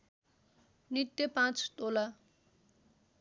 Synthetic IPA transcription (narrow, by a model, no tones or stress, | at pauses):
nit̪ːepãt͡st̪ola